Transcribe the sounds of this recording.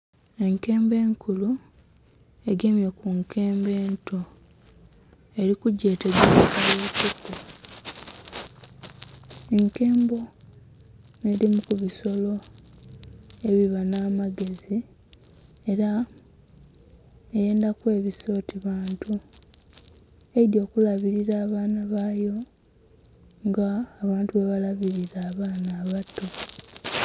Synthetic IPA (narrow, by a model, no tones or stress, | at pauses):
e̞ŋke̞ːmbe̞ːŋkulu | e̞ɡe̞mjekuŋkʰe̞ːmbe̞ːntʰo̞ | e̞ɾikuɟːe̞ːteɡeakaleβituku | eŋke̞ːmbo̞ | neɾimukuβiso̞lo̞ | e̞βiβanaːmaɡe̞zi | e̞ɾa | eje̞ːndakwe̞ːβiso̞ːtiβaːntu | edjo̞ːkulaβiɾiɾaːβaːnaβaːjo̞ | ŋɡaːβaːntuβeβalaβiɾiɾaːβaːnaːβato